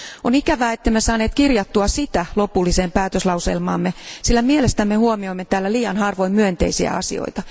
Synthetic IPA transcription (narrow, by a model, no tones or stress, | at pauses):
onikæʋæːet̪ːemːesɑːne̞ːt̪kirjɑt̪ːuɑsit̪ælo̞pulːiseːmpæːt̪øslɑusḛlmɑ̰ːmːesilːæmielest̪æmːehuomioimːet̪æːlːæliːjɑnhɑrʋo̞immyønt̪ḛisiæ̰ɑ̰sḭo̰jt̪ɑ